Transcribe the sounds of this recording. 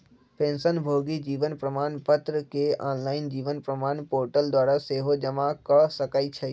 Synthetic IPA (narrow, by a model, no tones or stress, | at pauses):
pẽːnsənbʱoːɡid͡ʒiːʋənpɾəmaːnpət̪ɾəkeaːnlaːɪnd͡ʒiːʋənpɾəmaːnpoːɾʈəld̪waːɾaseːɦod͡ʒəmakəsəkaːit͡ʃʰɛ